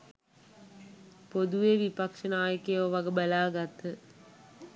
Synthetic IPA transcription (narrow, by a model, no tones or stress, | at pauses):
pod̪uʋeʋipakʂənaːjəkejʋoʋaɡəbəlaːɡat̪ə